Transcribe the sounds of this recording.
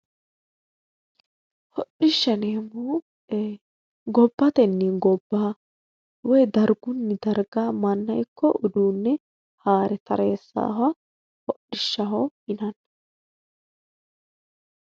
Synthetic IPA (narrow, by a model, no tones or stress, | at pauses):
hɔɗɪʃːɐneːmu | ɡɔbːɐt̪ɛnːɪɡɔbːaː | wɔjd̪ɐɾɡʊnːɪd̪ɐɾɡaːmɐnːɐjkːɔʔʊd̪uːnːɛ | haːɾɛt̪ɐɾeːsːa̰ːwɐ | hɔɗɪʃːɐɦɔhɪnɐn